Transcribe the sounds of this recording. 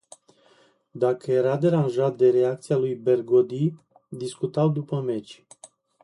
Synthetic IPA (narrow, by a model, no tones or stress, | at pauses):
d̪akəje̞ɾad̪e̞ɾanʒat̪̚d̪e̞ɾe̞ak̚t̪sijalujbe̞rɡod̪i | d̪iskut̪awd̪upəme̞t͡ʃʲ